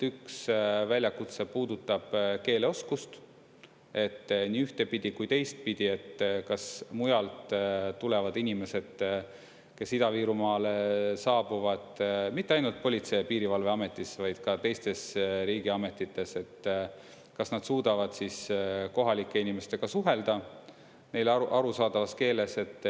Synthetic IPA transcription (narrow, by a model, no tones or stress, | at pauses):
yksvælʲjɑkut̪se̞puːd̪ut̪ːˑɑb̥ke̞ːle̞o̞skust̪ | e̞t̪ːniːyht̪e̞pid̪̥ikujt̪e̞jst̪̚pid̪̥ie̞t̪ːkɑsmujɑlt̪t̪ule̞vɑd̪̥inʲime̞se̞d̪̥ | ke̞sid̪ɑviːɾumɑːlesɑːbuvɑd̪̥mit̪ːeɑjnult̪̚po̞lʲit̪se̞piːɾivɑlve̞ɑme̞t̪ːˑisvɑjd̪̥kɑt̪e̞jst̪e̞sɾiːɡ̥iɑme̞t̪ːˑit̪ːe̞se̞t̪ː | kɑsnɑd̪̥suːd̪̥ɑvɑd̪̥sisko̞ɦɑlʲikˑːe̞inime̞st̪e̞ɡ̥ɑsuɦe̞ld̪̥ɑ | ne̞jlʔɑɾusɑːd̪ɑvɑske̞ːle̞se̞t̪ːˑ